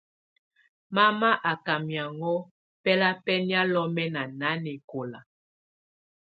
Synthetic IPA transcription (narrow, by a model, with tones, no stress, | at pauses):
ma˦ma˦ʔa˨ka˨mja˨ŋɔ˦ | pɛ˦la˦pɛ˦ni˦a˦lɔ˦mɛ˦na˨na˦ne˨ko˨la˨